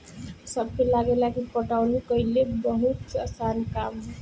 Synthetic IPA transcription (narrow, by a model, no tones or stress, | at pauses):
sʌb̚kelaɡelakipʌʈawnukʌilebʌɦut̪ʌsankamɦ